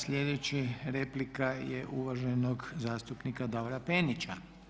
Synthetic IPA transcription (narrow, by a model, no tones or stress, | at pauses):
sʎʲe̞d̪et͡ɕiɾeplikajḛʔuʋaʒenoɡzaːst̪upnikad̪aʋoɾapenit͡ɕa